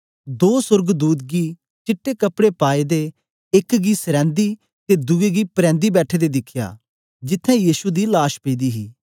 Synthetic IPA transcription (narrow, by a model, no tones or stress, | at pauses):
d̪oːsʊɾɡd̪uːt̪ɡiː | t͡ʃɪʈːeːkəpɽepaːed̪e | ɪkɡiːsəɾɛ̃ːnd̪iː | t̪ed̪ueɡiːpɾɛ̃ːnd̪iːbɛːʈʰeːd̪eːd̪ɪkʰja̰ː | d͡ʒɪt̪ʰːɛ̃ːjiːsud̪ilaːʃpeːd̪iːɦiː